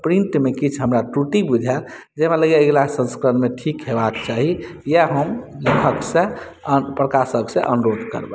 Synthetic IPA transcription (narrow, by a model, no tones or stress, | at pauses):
pɾinʈ̪mekit͡ʃʰɦəmɾaʈuʈibud͡ʒʱa | d͡ʒemeləɡeeɡlasə̃nskɾənmeʈʰikɦebakt͡ʃaɦijeɦəmlikʰəksẽ | pɾəkasəksẽʔənuɾod̪ʱkə̰ɾbɛ